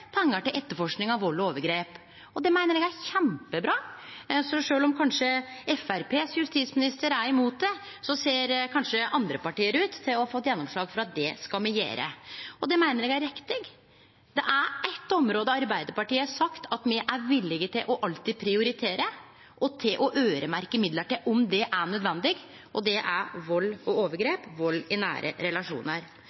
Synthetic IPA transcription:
pʰɛŋːəʈɪlʔɛt̪ːəɾfɔʂknɪŋɑʋɔloːʋəɡɾeːp | ɔd̪ɛmæɪnəɾɛɡæɾçæmpəbɾɑːsɔʂøːlɔmkʰɑnʂəɛfæɾpʰeːsjʉst̪iːt̪smɪnɪst̪əɾæɾɪmuːt̪̚d̪ɛ | sɔseːɾkʰɑnʂəɑnd̪ɾəpɑʈiːəɾʉːt̪ʰːɪlɔɑfɔt̪ːjɛnːɔmʂɭɑːɡfɔɾɑt̪̚d̪ɛskɑmɪjḛːɾə̰ɔd̪ɛmæɪnəɾɛɡæɾɪkt̪ɪɡ | d̪̥ɛʔæʔɛt̪ːɔmɾoːd̪əɑɾbæɪd̪əpɑʈiːəæʂɑkt̪ʰɑt̪mɛʔæɾʋɪlːɪɡət̪ɪlʔɔʔɑlt̪ɪd̪pʰɾɪʊɾɪt̪ʰeːɾə | ʔɔt̪ʰɪlʔɔʔøːɾəmæɾkəmɪd̪ləʈɪlʔɔmd̪ɛʔæɳœd̪ʋɛnd̪ɪɡ | ʔɔd̪ɛʔæʋɔlːɔoːʋəɾɡɾeːpʋɔlːɪnæ̰ːɾʔə̰ɾɛlɑʂṵːnəɾ

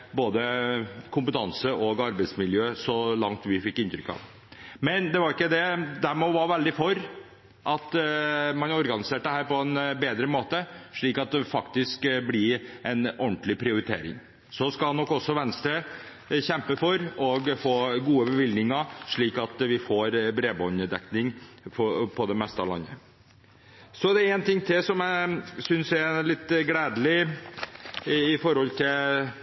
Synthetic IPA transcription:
boːd̪əkʰʊmpət̪ʰɑnsəʔɔɡɑɾbəɪt̪smɪljøːsɔlɑŋt̪ʋɪfɪkːɪnt̪ɾʏkːɑ̰ːʋ | mɛnd̪ɛʋɑɾɪkːəd̪ɛd̪æmɔʋɑɾʋɛld̪ɪfɔɾ | ʔɑt̪mɑnɔɾɡɑnɪseːʈ̚d̪ɛhæːɾpɔɛnbeːd̪ɾəmoːt̪əʂɭiːkɑt̪̚d̪ɛfɑkt̪ɪskblɪɛnɔɳʈ̪lɪpʰɾɪʊɾɪt̪ʰḛːɾɪ̰ŋ | sɔskɑlnɔkːɔsːɔʋɛnst̪ɾə | çɛmpəfɔɾɔɡfoːɡuːəbəʋɪld̪nɪŋɑʂɭiːkɑt̪ʋɪfoɾbɾeːbɔnəd̪ɛknɪŋfɔpʰɔd̪ɛmɛst̪əɑlɑ̰nːə̰ | sɔd̪ɛɾɛnt̪ɪŋːt̪ʰɪlsɔmæɪsʏnsɛlɪt̪ːɡɽæːd̪əlɪ | ɪfɔɾhɔlt̪ʰɪl

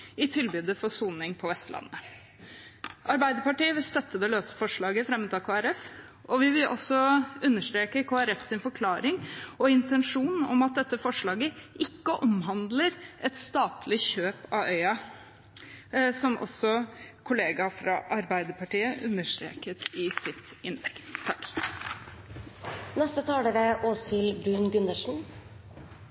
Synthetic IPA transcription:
ɪt̪ʰɪlbyːd̪əfɔsuːnɪŋpʰɔʋɛst̪lɑ̰nːə | ʔɑɾbæɪd̪əɾpɑʈiːəʋɪlst̪œt̪ːəd̪ɛløːsə̥fɔʂɭɑːɡəfɾɛmʉt̪ʰɑːkʰoːæɾɛfʔɔʋɪʋɪlʔɔ̰sɔʉnːəʂt̪ɾeːkəkʰoːæɾɛfsɪnfɔɾkʰlɑːɾɪŋɔɪnt̪ɛnʂuːnn̩ɔ̰mɑt̪̚d̪ɛt̪ːəfɔʂɭɑːɡəʔɪkːəʔɔmɦɑnd̪ləɾʔɛt̪st̪ɑːt̪ʰlɪçøːpɑ̰œʏɑ | sɔmʔɔ̰sɔkʰʊleːɡɑfɾɑ̰ʔɑɾbæɪd̪əpɑʈiːəʔʉ̰nːəʂt̪ɾḛːkət̪ɪsɪt̪ | ɪnlɛ̰kt̪t̪ʰɑkː | nɛst̪ət̪ʰɑːɽəɾəʔoːsɪlbɾʉːnɡʉnəʂn̩

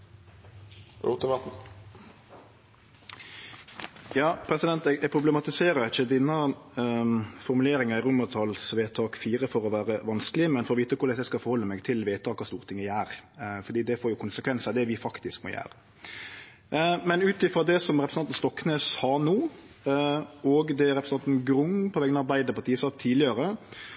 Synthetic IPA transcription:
ṵt̪ʊmɑt̪ | jɑːpʰɾɛsɪd̪ɛnt̪ɛɡɛɡ̚pʰɾʊblɛmɑt̪ɪseːɾəɾɪçːəd̪ɪnːə | fɔɾmʉleːɾɪŋɑɪʁʊmət̪ʰɑlsʋeːt̪ʰɑːkfiːɾəfɔɾɔʋæːɾəʋɑnskəlɪmɛnfɔɾɔʋiːt̪əkʰʊɾd̪ɛst̪ɛskɑfɔɾhɔlːəmɛɡt̪ʰɪlʋeːt̪ʰɑːkʰɑst̪uːʁt̪ʰɪŋːəæːɾfɔɾd̪iːd̪ɛfoːɾjʊkʰʊnsəkʰʋɛnsɑd̪ɛʋɪfɑkt̪ɪskmɔ̰jæ̰ːɾə | mɛnʉːt̪ɪfɾɑd̪ɛsɔmɾɛpɾəsɑt̪n̩st̪ɔkːneːshɑːnuː | ɔɡd̪ɛæɾɛpɾsnɑnt̪n̩ɡɾʊŋpʰɔʋɛːɡənəɑɾbæɪd̪əpʰɑt̪ʰiːsɑːkt̪ʰiːlɪəɾə

